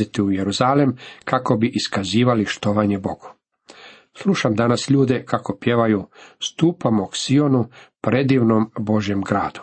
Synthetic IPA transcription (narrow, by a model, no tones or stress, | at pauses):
it̪iujeɾuzaːlemkako̞biʔiskaziːʋaliʃt̪oʋaɲe̞bo̞ɡ̥u̥ | slˠuʃamd̪anasʎuːd̪e̞kako̞pje̞ʋajust̪uːpamoksio̞nupɾe̞d̪iʋnombo̞ʒje̞mɡɾaːd̪u̥